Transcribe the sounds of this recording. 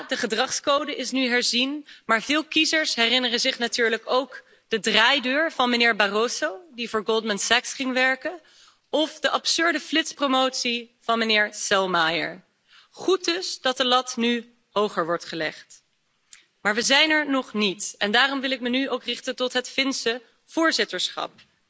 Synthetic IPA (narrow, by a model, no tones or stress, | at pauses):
dəχədrɑχskowdəʔɪsnyɦɛɹzinmaːɹvɪːlˠkizəɹsɦɛrɪnərəzɪχnatyːɹləkowk | d̥ədraːjdøːɹvɑnmənɪːɹbarosowdivʊːɹɡolˠdməntsɛksχɪŋʋɛɹkən | ɔfdəʔɑpsʏɹdəflɪtspromowtsiv̥ɑnmənɪːɹsɛlˠmajə̰ɹ | χut̚dɵsdɑt̚dəlɑtny | howχəɹʋɔɹtχəlɛ̰χt | maːɹʋəzɛjnɛɹnɔχnitɛndaːrɔmʋɪlɪk̚mənyowkrɪχtəntɔtɦətfɪnsə | v̥ʊːɹzɪtəɹsχɑ̰p̚